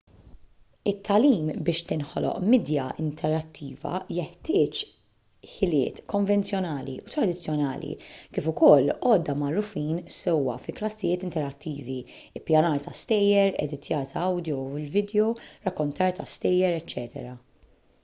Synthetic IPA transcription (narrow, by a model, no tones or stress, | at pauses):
ɪt̪ʰːɐliːmbɪːʃt̪ɪnħɔ̰lʔɔ̰ʔmiːd̪jɐɪnt̪ʰɛɾɐt̪ːiːvɐ̰jɛħt̪ɪːt͡ʃ | ħɪlɪ̰ːt̪kɔɱvɛnt͡sjɔnɐːlḭʔʊt̪ɾɐd̪ɪt͡sːjɔnɐ̰ːlḭkɪːfʊkɔlːɔːd̪ːɐmɐrːʊfiːnsɛwwɐ̰fiklɐsːɪjɪːt̪ɪnt̪ɛɾɐt̪ʰːiːvi | ɪpːjɐnɐːɾt̪ɐst̪ɛjːɛɾɛ̰d̪ɪt̪jɐːɾt̪ʰɐɐwd̪jɔɪlvɪːd̪jɔɾɐkːɔnt̪ɐːɾt̪ɐst̪ɛjːɛɾɛt͡ʃːɛːt̪ɛ̰ɾɐ